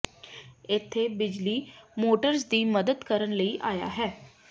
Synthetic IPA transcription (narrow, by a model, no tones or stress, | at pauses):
ɪt̪ʰːeːbɪd͡ʒliːmoːʈəɾsd̪iːməd̪əd̪kəɾənləiːʔaːja̰ːɦɛː